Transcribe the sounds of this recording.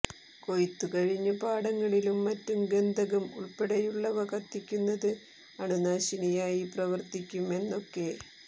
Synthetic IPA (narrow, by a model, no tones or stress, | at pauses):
ko̞jit̪ːukɐɻiɲːɐpaːɽɐŋːɐɭilumːɐtːumɡend̪ʱɐɣɐmuɭpeɽɐjuɭːɐʋɐkɐt̪ːikʲːunːɐðɨ | ɐɳunaːɕinɐjaːjiprɐʋɐrt̪ikʲːume̞nːo̞kːe̞